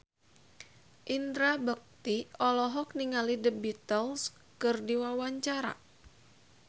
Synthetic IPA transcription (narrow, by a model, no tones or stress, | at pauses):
ʔind̪ɾabək̚t̪iɔlɔɦɔk̚niŋalidəbit̪əls | kɨrdiwawaɲt͡ʃaɾa̰